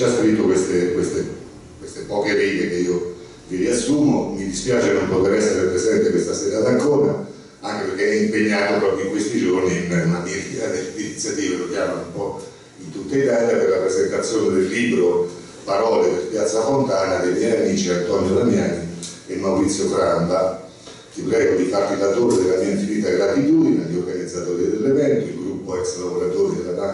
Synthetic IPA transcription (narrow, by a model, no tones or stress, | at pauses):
askɾit̪ːokwest̪ekwest̪e | kwest̪epɔːkeɾiːɡ̪ekeiːo | kiriasːuːmomid̪ispjaːt͡ʃenompot̪eɾɛsːeɾepɾezɛnt̪ekwest̪aseɾaːt̪aŋkoːɾa | aŋk̟eperkeɛimpeɲːaːt̪opɾɔːpɾjoiŋkwest̪id͡ʒorniɛmat̪iɾad̪einit̪sjat̪iːvelok̟jaːmanumpɔ | int̪ut̪ːait̪aːljaperlapɾezent̪at̪sːjoːned̪elːiːbɾo | paɾɔːleb̪elpjat̪sːafont̪aːnad̪emjɛjamiːt͡ʃiant̪ɔnjod̪amjaːni | emːawɾit̪sːjofɾamba | t̪ipɾɛːɡod̪ifarlilat̪oɾd̪elːasent̪ivit̪ːaɡɾat̪it̪uːd̪inaʎiorɡanid̪zːat̪oːɾid̪elːevɛnt̪oilɡɾupːoɛkslaboɾat̪oːɾid̪elata